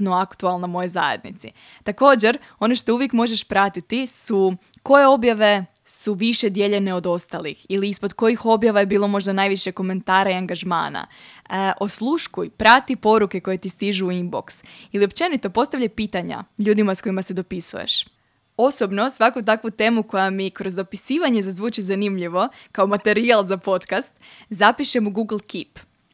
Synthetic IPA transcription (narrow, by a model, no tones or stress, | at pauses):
noakt̪ualˠnamo̞jo̞jza̰jed̪nḭt̪si | t̪ako̞ːd͡ʑe̞ɾ | o̞neʃt̪o̞uʋjekmo̞ʒe̞ʃpɾat̪it̪isu | ko̞je̞o̞bjaʋe̞ | suʋiʃe̞d̪je̞ʎe̞ne̞o̞d̪o̞st̪alixiliispo̞d̪ko̞jixo̞bjaʋaje̞biːlˠo̞mo̞ʒd̪anajʋiʃeko̞me̞nt̪aːɾaiaŋɡaʒma̰ːna̰ʔo̞slˠuʃkujpɾat̪ipo̞ɾuke̞ko̞je̞t̪ist̪iʒuːimbo̞̰ksilio̞pt͡ʃe̞nit̪o̞po̞st̪aʋvʎajpiːt̪aɲa̰ʎuːd̪imasko̞jimase̞d̪o̞pisṵjḛʃ | o̞so̞bno̞sʋakut̪akʋut̪e̞ːmuko̞jamikɾo̞zd̪o̞pisiːʋaɲe̞zazʋuːt͡ʃizanimʎiʋo̞kao̞mat̪e̞ɾialˠzapo̞t̪kast̪zapiʃe̞muɡuɡl̩ˠkip